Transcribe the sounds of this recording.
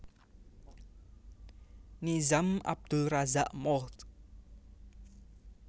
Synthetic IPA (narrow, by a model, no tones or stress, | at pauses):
nizama̰b̚d̪̥ʊlrazaʔmɔt̪